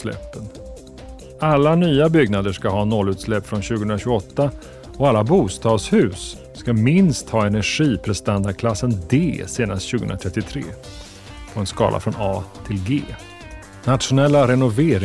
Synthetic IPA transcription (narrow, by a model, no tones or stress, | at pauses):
lɛ̰pːən | alːanyːabʏɡnad̪əʂkaɦɑːnɔlːʉ̟ːt̪slɛpːfɾɔnɕʉ̟ɡəhɵənɾaɕʉɡʊɔt̪ːa | ɔalːabuːst̪ɑːɡ̪shʉ̟ːsː | kamɪnst̪hɑːɛnæɧiːpʰɾɛst̪and̪aɖkʰlasːənd̪eːseːnast̪ɕʉːɡəhɵnɾat̪ʰɾɛt̪ːɪt̪ʰɾḛː | pʰɔɛnskɑ̰ːlʔa̰fɾɔnɑːt̪ʰɪlɡḛː | nat̪ɧʊnɛlːaɾɛnʊveːɾɪ